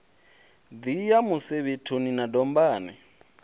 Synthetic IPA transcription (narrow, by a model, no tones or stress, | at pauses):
d̪ijamuseβitʰuninadɔmbaːnɛ